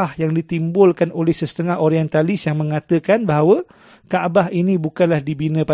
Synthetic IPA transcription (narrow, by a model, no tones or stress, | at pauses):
ahjaŋdit̪imbʊlkanolɛhsəsə̥t̪əŋaɦoɾiɛnt̪alɪsjaŋmə̃ŋat̪əkanbaɦawə | kaʔbaɦinibukanlahdibinə̃pa